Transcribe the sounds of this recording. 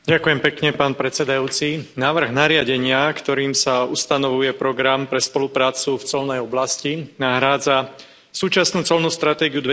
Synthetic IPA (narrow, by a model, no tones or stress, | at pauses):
ɟakujɛmpɛkɲɛpaːnpɾɛt̪t͡sɛd̪ajuːt͡sinaːʋr̩ɣnaɾɪaɟɛɲɪakt̪ɔɾiːmsaust̪anɔʋujɛpɾɔɡɾampɾɛspɔlupɾaːt͡suft͡sɔlnɛjɔblascinaɦɾaːd͡za | suːt͡ʃasnuːt͡sɔlnust̪ɾat̪ɛːɡiud̪ʋɛ